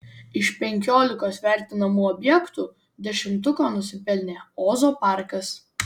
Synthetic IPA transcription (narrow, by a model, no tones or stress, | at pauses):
ɪʃpʲɛŋʲkʲoːlʲɪkoːsʋʲæˑɾʲt̪ʲɪnɐmuːɔbʲjɛkt̪uː | d̪ʲɛʃʲɪmt̪ʊkoːnʊsʲɪpʲɛlʲnʲeːoːzoːpɑˑɾkɐs